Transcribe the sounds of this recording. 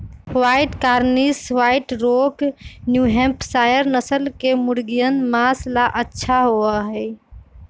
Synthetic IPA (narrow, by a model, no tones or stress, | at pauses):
waɪʈkaɾniswaɪʈɾoknjuɦẽmpsajəɾnəsəlkemʊɾɡijənmaslaʔətːʃʰaɦoəɦɛɪ